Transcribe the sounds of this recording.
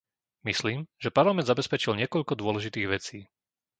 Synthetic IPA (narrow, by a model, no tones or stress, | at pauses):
misliːmʒ̥ɛpaɾlamɛ̃ndzabɛspɛt͡ʃilɲɪɛkɔʎkɔd̪ʊɔlɛʒit̪iːɣʋɛt͡siː